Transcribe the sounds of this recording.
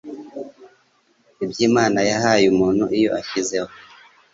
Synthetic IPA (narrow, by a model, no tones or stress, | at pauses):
ibjiːmaːnajaɦaːjumuːnhuʔijo̞̰ʔaçize̞ho